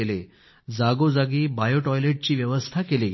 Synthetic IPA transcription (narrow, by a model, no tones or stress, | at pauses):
ele | d͡zaɡod͡zaɡiːbajoʈɔjleʈ̚t͡ɕiːʋjəʋəst̪ʰakeleɡ